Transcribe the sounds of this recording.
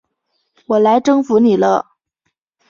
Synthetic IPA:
wɔ˨˩la˧˥ɪʈ͡ʂɤ˥ŋfu˧˥ni˨˩lə˦

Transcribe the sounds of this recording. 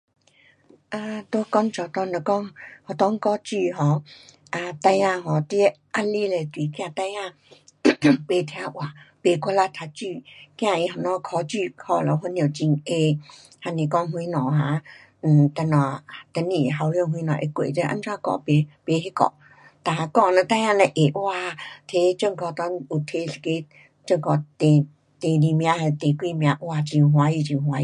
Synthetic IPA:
ʔa˧t̪o˦kɔ˧ŋt͡ɕɔ˨˧˩t̪ɔ˧ŋlə˨˩kɔ˧ŋhɔ˨t̪ɔ˦ŋ˦kɔ˦t͡ɕy˥˧˨ɦɔ˧˩ | ʔa˧t̪a˧jã˧ɦɔ˧t̪i˧˦ | ʔa˧˥li˦le˨˧t̪wi˨kj̃ã˧t̪a˧jã˧ | pe˧t̪ʰja˧˦ʔwa˨pe˧˩kʰɔ˧la˦˥t̪ʰa˧t͡ɕy˥˧kj̃ã˧˨i˧ɦɔ˨nɔ̃˧˦kʰɔ˧t͡ɕy˥˧˨hɔ˧˩lə˨˩ɦɔ˧njo˨˩t͡ɕi˧ŋe˧ | ha˧nĩ˨kɔ˧˦ŋɦwi˧nɔ̃˨ɦã˧˦ | n̩˨˩t̪ə˧nɔ̃˨˩t̪ə˧˦nːi˨ɦa˧˦wljo˧˨ŋɦwĩ˧˦nɔ̃˨ʔe˧kwḛ˨tə˧˦ʔa̰˧˦nt͡sʰã˦kɔ̰˧˨pe˧˦pe˧˦ɦe˦kɔ̰˧˨ʔ | t̪a˧˨˧kɔ˧˨nə˧t̪ã˧˦jã˧˨nə˧ʔe˨wa˧t̪ʰe˧˦t͡ɕə˥˧˨ŋkɔ˧t̪ɔ˧˦u˨˩t̪ʰe˧˦si̥˧ke˧˦ | t͡ɕə˥˧ŋkɔ˧t̪e˨ | t̪e˨li˧˨mj̃ã˧he˧t̪e˨kwi˧˨mj̃ã˧ʔwa˧˨t͡ɕi˧ɦwa˧˦ji˧˨t͡ɕi˧ɦwa˧˦ji˧˨

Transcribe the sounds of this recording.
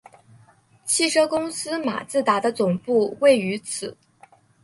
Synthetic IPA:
t͡ɕʰi˥˩ʂɤ˥kʊ˥ŋsɹ̩˥ma̰˨˩t͡sɹ̩˥˩t̪a˧˥d̪ə˧t͡sʊ˨˩ŋpu˥˧we˥˩ɪy˧˥t͡s̩ʰ˨˩˦

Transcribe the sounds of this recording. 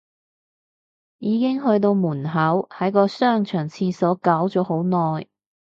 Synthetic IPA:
jiː˨˧kɪ˥ŋɦɵ˧ɥt̪̬o˧wmuː˨˩nɦɐ˨˥whɐ˨˥jkɔː˧sœː˥˩ŋt͡ʃʰœː˨˩ŋt͡sʰiː˧sɔː˨˥kaː˨˥wt͡sɔː˨˥ho˨˥wnɔː˨j

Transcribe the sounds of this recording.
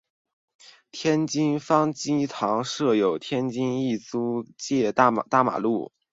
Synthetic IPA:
t̪ʰjɛ˥nt͡ɕi˥nfɑ˥ŋt͡ɕi˥t̪ʰɑ˧˥ŋʂɤ˥˩jo˨˩ʊt̪ʰjɛ˥nt͡ɕi˥ni˥˩t͡su˥t͡ɕjɛ˥˧t̪t̪a˥˩ma̰˨˩lu˥˩

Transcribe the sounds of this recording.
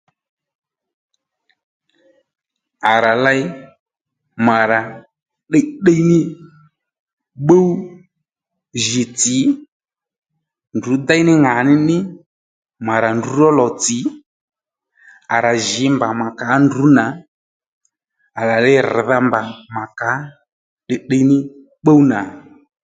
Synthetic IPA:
a˨ɾa˨la˧j | ma˨ɾa˨ | ɗe˦ɗə˦jnɪ˦ | ɓo˦wu˦ | ʒɪ˨t͡sɪ˨˦ | ndu˨˦d̪a˦jnɪ˦ŋa˨nɪ˦nɪ˦ | ma˨ɾa˨ndu˨˦ɾɔ˦lɔ˨t͡sɪ˨˦ | a˨ɾa˨ʒɪ˨˦mba˨ma˨ka˨˦ndu˨˦na˨ | a˨la˨lɛ˧˦ɾða˦mba˨ma˨ka˨˦ | ɗɪ˧ɗə˦˧jnɪ˦ | ɓo˦wna˨

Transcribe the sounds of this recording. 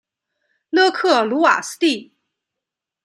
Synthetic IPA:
lɤ˥˧kʰɤ˥˩lu˧˥wa̰˨˩sɹ̩˥t̪i˥˩

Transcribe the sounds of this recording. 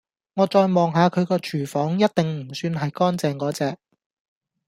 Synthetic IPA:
ŋɔː˨˧t͡ʃɔː˧jmɔː˨˩ŋɦaː˨˧kʰɵ˨˧ɥkɔː˧t͡ʃʰyː˨˩fɔː˨˥ŋjɐ˥t̚t̪ɪ˨ŋm̩˨˩syː˧nɦɐ˨jkɔː˥nt͡sɛː˨ŋkɔː˨˥t͡sɛː˨k̚

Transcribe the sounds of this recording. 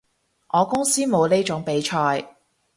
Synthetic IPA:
ʔɔː˨˧kʊ˥ŋsiː˥mo˨˧wne˥t͡ʃʊ˨˥ŋpe˨˥jt͡ʃʰɔː˧j

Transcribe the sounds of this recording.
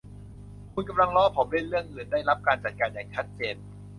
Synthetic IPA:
kʰu˧nka˧mla˧ŋlɔː˥˩pʰo˩˦mle˥˩nɾɯ˥˩əŋʔɯː˨˩ndaː˥˩jɾa˦˥p̚kaː˧nt͡ɕa˨˩t̪̚kaː˧njaː˨˩ŋt͡ɕʰa˦˥t̪̚t͡ɕeː˧n

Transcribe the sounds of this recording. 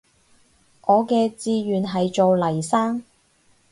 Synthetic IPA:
ʔɔː˨˧kɛː˧t͡siː˧ɥyː˨nɦɐ˨jt͡ʃo˨wlɐ˨˩jsaː˥ŋ

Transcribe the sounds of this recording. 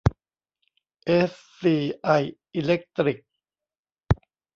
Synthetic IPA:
ʔe˦˥sːiː˧˩ʔa˧˩jʔi˧le˦˥k̚t̪ɾi˨˩k̚

